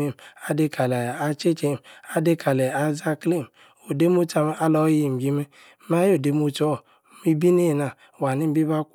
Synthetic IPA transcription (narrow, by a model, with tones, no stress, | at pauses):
e˨ma˦de˧kʰa˨la˨a˧t͡ʃe˦t͡ʃe˦˨m˨a˦de˦kʰa˨le˨a˨za˦kli˦˨m | o˨de˦mu˦t͡ʃa˧m˦ʔa˦lɔ˦ji˨m˨ɡi˦me˦ | ma˦jo˨de˨mu˦t͡ʃɔ˦˨ | mi˦bi˦ne˦˨na˨ | wa˨ni˦m̩˦bi˦ba˦k